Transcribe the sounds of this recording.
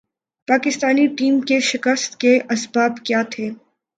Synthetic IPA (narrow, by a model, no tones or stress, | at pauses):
paːkɪst̪aːniʈiːmkeʃɪkəst̪keʔɐsbaːbkjaːt̪ʰeː